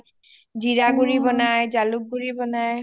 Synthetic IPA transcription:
d͡ʒiɾaɡuɾibɔnajd͡ʒaluk̚ɡuɹibɔnaj

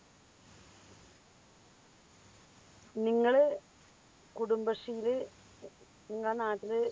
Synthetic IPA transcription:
niŋːɐɭɨ | kuɽumbɐʂijilɨ | niŋːɐɭnaːtːilɨ

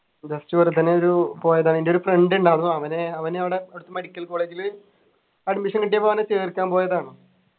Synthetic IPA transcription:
d͡ʑɐstuʋɐrɐt̪ːɐnːeoɾupo̞ːjɐðaːɳindeo̞ɾufreɳɖuɳɖaːɽunːuɐʋɐneɐʋɐneɐʋiɽe̞eɽut̪ːɨmeɽikʲːɐlko̞ːɭeːd͡ʑil | ɐɖmiʂɐŋkiʈ̬ːijɐpːɐɐʋɐnːet͡ɕeːrikʲːaːnpo̞ːjɐðaːɳɨ

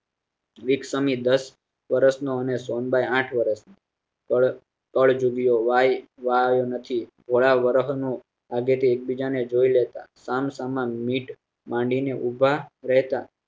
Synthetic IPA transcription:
ʋiksəmid̪əs | ʋəɾəsnoənesonbajãʈʰʋəɾəsno | əɭ | kəɭd͡ʒuɡijoʋajʋajonət̪ʰibʱoɭaʋəɾɦnũ | aɡet̪iek̚bid͡ʒaned͡ʒoilet̪a̰samsamãnmiʈ | mãɳɖineʔubʱaɾəɦt̪a

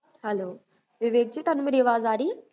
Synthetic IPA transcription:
hɐloː | ʋiʋeːk̚t͡ʃit̪ɐnumiɾjɐʋaːzaːɾi

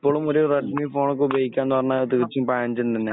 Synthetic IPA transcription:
ipːo̞ːɭumoɾureʈmifo̞ːɳok̬ːɨubʱejikʲːaːnenːuʋɐrɐɲːat̪iʋit͡ɕːumpaːnd͡ʑunt̪ɐnːe

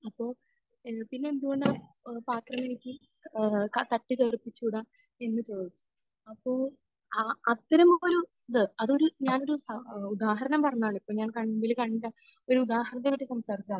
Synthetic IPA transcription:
ɐpːo̞ː | pinːe̞end̪uɣo̞ɳɖɨa | paːt̪rɐmenit̪ːi | kt̪ɐʈːit̪eːrpːit͡ɕːuɽa | e̞nːɨt͡ɕe̞ːd̪it̪ːu̥ | ɐpːo̞ː | aɐt̪ːɐɾɐmoːlu | ðɨɐðo̞ɾuɲaːno̞ɾusɐud̪aːɦɐɾɐnɐmpɐrɐɲːaːɭipːoːɲaːnkɐɳbilkaːɳilːɐo̞ɾuud̪aːɦɐɾɐt̪̬ːeɐʈːisɐmsaːɾit͡ɕiaːɭ

